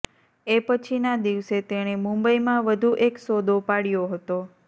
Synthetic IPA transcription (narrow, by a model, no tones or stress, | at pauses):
epət͡ʃʰinad̪iʋset̪eɽ̃emũmbəimãʋəd̪ʱuʔeksod̪opaɽijoɦət̪o